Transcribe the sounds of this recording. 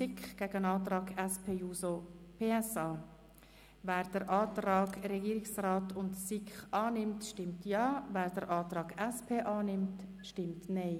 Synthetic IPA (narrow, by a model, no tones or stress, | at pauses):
sɪkχɡ̥ɛɡənɑːtɾɑːɡɛspʰeːjuːsopʰeːɛsɑː | væːɾd̥əɾʔɑːtɾɑːɡɾɛɡiːɾɪksraːtʰʊntsɪkχɑːnɪmtʃtɪmtjɑːvæːɾd̥əɾʔɑːtɾɑːɡɛspʰeːʔɑːnɪmt | ʃtɪmtnɛɪ